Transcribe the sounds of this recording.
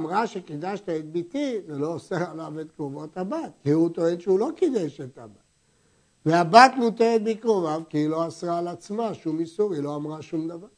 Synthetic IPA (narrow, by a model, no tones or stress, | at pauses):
amʁaʃekid̪aʃt̪aet̪̚bit̪ivelo̞ːseʁalavet̪kʁovot̪habat̪kiut̪oenʃeulo̞kid̪eʃet̪abat | veabat̪mut̪eʁet̪̚bikʁovavkiilo̞asʁaːlat͡smaʃumisuʁilo̞amʁaʃumd̪avaʁ